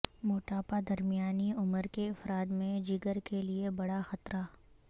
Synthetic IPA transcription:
moːʈaːpad̪ɐɾmijaːniʊməɾkeɪfɾaːd̪mẽd͡ʒiɡəɾkeliebɐɽaxɐt̪ɾa

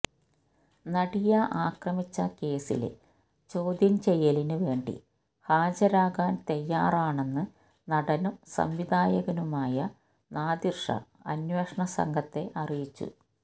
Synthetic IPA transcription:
nɐɽijɐʔaːkrɐmit͡ɕːɐke̞ːsḭl̰ | t͡ɕo̞ːd̪ʱjɐnt͡ɕe̞jːɐlinɨʋe̞ːɳɖḭ | haːd͡ʑɐɾaːɣaːnt̪ɐjːaːraːɳe̞nːɨ | nɐɽɐnusɐ̰mʋid̪aːjɐɣɐnumaːjɐ | naːd̪irʂɐ̰ | ɐnweːʂɐɳɐsɐ̰ŋɡʱɐt̪ːe̞ʔɐrijit͡ɕːṵ

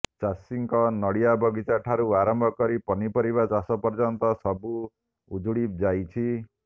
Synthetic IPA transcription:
t͡ʃasiŋkɔnɔɽijabɔɡit͡ʃaʈʰaɾuaɾɔmbʱɔkɔɾipɔnipɔɾiβat͡ʃasɔpɔɾd͡ʒɔnt̪ɔsɔbu | ud͡ʒuɽipd͡ʒajt͡ʃʰi

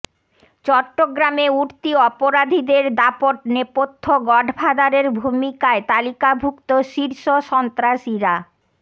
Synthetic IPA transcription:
t͡ɕɔʈːoɡɾameuɾt̪iɔpoɾad̪ʱid̪eɾd̪apoʈ̚nepot̪ʰːoɡɔɖʱbʱad̪aɾeɾbʱumikaet̪alikabʱukt̪oʃiɾʃoʃɔnt̪ɾaʃiɾa

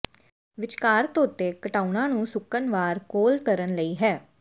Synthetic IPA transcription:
ʋɪt͡ʃkaːɾt̪oʊt̪ːeːkəʈaːunãːnũːsʊkənʋaːɾkoːlkəɾənləiːɦɛː

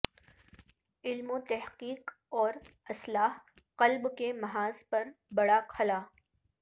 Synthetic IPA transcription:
ɪlmot̪ɛɦqiːq | ɔːɾɐslaːɦ | qɐlbkemɐɦaːz̥pɐɾbɐɽakʰɐlaː

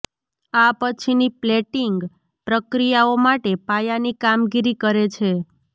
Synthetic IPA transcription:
apət͡ʃʰinipleʈiŋɡ | pɾəkɾijaomaʈepajanikamɡiɾikəɾet͡ʃʰe

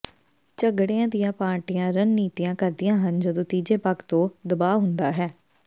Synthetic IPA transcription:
t͡ʃəɡɽjãːd̪ɪjãːpãːʈɪjãːɾənːiːt̪ijãːkəɾd̪ɪjãːɦənd͡ʒəd̪õːt̪iːd͡ʒeːpəkt̪õːd̪əbaːɦʊnd̪aːɦɛː

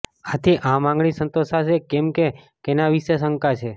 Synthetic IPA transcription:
at̪ʰiʔãmãŋɡɭisənt̪osaʃekɛmke | kenaʋiʃes̬əŋkat͡ʃʰe

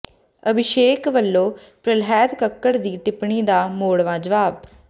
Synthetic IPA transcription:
əbʱɪʃeːkʋəlːoː | pɾəlɦɛːd̪kəkːəɾd̪iːʈɪpɳiːd̪aːmoːɽʋãːd͡ʒəʋaːb

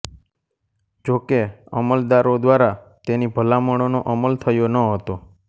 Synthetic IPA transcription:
d͡ʒokeə̰məld̪aɾod̪ʋaɾa | t̪enibʱəlaməɽ̃onoʔəməlt̪ʰəjonəɦət̪o

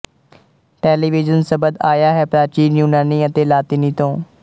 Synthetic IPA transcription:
ʈɛːliːʋɪd͡ʒənsəbəd̪aːjaːɦɛːpɾaːɾt͡ʃiːnjuːnaːniːət̪eːlaːt̪iːnĩːt̪õː

